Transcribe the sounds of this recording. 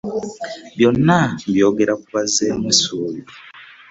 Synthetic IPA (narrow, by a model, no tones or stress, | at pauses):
bjɔnambjoɡeɾakuβazɛmisuːlu